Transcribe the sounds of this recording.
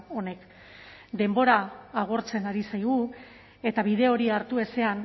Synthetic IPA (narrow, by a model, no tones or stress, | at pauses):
o̞ne̞k | d̪e̞mbo̞ɾaːɣ̞oɾt͡se̞naɾisajɣu | e̞t̪aβiðe̞o̞ɾiaɾt̪ue̞se̞an